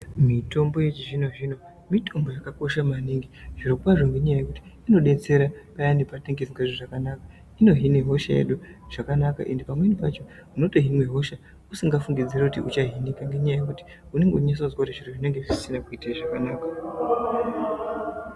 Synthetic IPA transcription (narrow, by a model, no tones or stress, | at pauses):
mito̞mbo̞je̞t͡ʃiʐino̞ʐino̞ | mitʰo̞mbo̞jakako̞ʃamaniŋɡiʐiɾokwaʐo̞ŋɡe̞ɲajajekuti̥ino̞ɗe̞t͡se̞ɾapajanepateŋɡesiŋɡweʐoʐakanaka | ino̞ɦine̞ɦo̞ʃa̰jḛɗuʐ̥akanaka̰ʔe̞ndepamwe̞nipat͡ʃo̞uno̞toɦinwe̞ɦo̞ʃa | usiŋɡafuŋɡid͡zirekutiʔut͡ʃaɦinikaŋɡe̞ɲajajekuti̥ | une̞ŋɡeuɲas̬azwakutiʐiroʐine̞ŋɡe̞ʐisinakuitaiʐakanaːka